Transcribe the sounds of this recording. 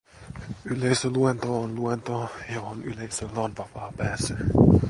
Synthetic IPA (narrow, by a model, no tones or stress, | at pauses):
ylejsøluent̪oonluent̪ojohonyle̞jsølːæonʋɑpɑːpæːsːæ